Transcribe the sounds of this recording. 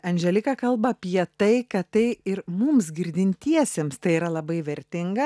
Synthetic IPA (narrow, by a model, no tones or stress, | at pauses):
ɐnʲʒʲɛlʲɪkɐkɐlˠbɐɐpʲiɛt̪ɐɪkɐtt̪ɐɪɪɾmʊmsɡʲɪɾʲd̪ʲɪnʲt̪ʲiɛsʲemst̪ɐɪiːɾɐlˠɐbɐɪʋʲɛɾʲt̪ʲɪŋɡɐ